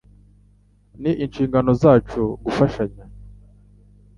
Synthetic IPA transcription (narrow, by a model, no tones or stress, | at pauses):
niʔinʃiːŋɡano̞zaːt͡ʃuɡufaʃaɲa